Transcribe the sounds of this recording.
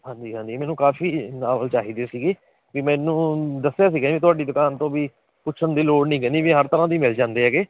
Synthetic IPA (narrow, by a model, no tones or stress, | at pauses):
hãːɲd͡ʒiːɦãːnd͡ʒiːmɛːnũːkaːfiːnaːləlt͡ʃaːɦiːd̪eːsiːɡeː | kimɛ̃ːnũːd̪əsːjaːs̬iːɡaːiːt̪ʊaːɖiːd̪ʊkaːnt̪õːʋiː | pʊt͡ʃʰənd̪iːloːɽnĩːɡənd̪iːʋiːɦəɾt̪əɾãːd̪iːmɪld͡ʒãːnd̪eːɦɛːɡeː